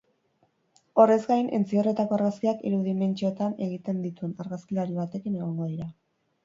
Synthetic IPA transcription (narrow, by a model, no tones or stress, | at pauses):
o̞re̞zɡajnʔe̞̰nt͡sio̞re̞t̪ako̞aɾɣaskiakḭɾuðime̞nt͡ʃio̞t̪ane̞ɣ̞it̪e̞nd̪it̪ue̞naɾɣaskilaɾiβ̞at̪e̞kine̞ɣ̞o̞ŋɡo̞ðiɾa